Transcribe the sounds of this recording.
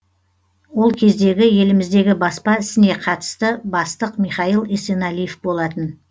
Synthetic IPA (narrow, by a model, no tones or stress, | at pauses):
wo̞lˠkʲʰe̞zd̪e̞ɡʲɪje̞lɪmɪzd̪e̞ɡʲɪbɑspɑɪsɪne̞qʰɑt̪ə̥st̪əbɑst̪əqmijχɑjilˠesenɑlijefbo̞lˠɑt̪ən